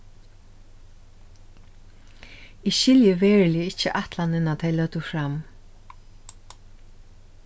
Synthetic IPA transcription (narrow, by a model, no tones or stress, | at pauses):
iʃɪljəʋɛːɹlɪɪt͡ʃəʔat̪lanɪnat̪ʰɛɪlœt̪əfɾam